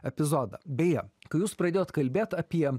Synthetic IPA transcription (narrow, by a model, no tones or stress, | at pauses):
ɛpʲɪzoːd̪ɐ̰bʲɛjɛkɐjuːspɾɐd̪ʲeːjoːt̪kɐlʲbʲeːt̪ɐpʲiɛ